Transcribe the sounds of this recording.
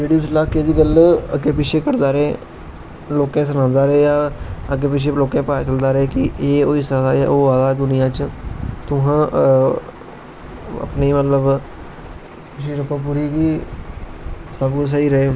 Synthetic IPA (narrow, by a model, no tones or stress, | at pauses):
ɾeːɖijoːslaːkeːd̪iːɡələkeːpɪʃeːkəɾd̪aːɾeː | loːkɛ̃ːs̬ənãːnd̪aːɾəeːjaːək̬eːpɪʃ̬eːloːkɛ̃ːpaːt͡ʃəld̪aːɾəeːkɪʔeːoːiːsad̪aːja̰ːʔoːaːd̪aːd̪ʊnɪjãːt͡ʃt̪ʊɦãː | ə̰pneːmət̪ləb | kɪʃ̬iːɾəpãːp̬uːɾiːɡiː | səbkʊsəiːɾəeː